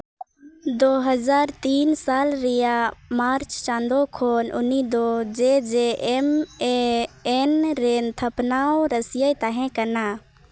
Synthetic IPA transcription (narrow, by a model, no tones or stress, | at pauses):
d̪oːɦəzaːɾt̪iːnsaːlɾijamaːɾt͡ʃt͡ʃãːnd̪okʰoːnʊ̰nːid̪od͡ʒed͡ʒemeenɾent̪ʰəpnaːoɾəsjəjt̪aɦẽkəna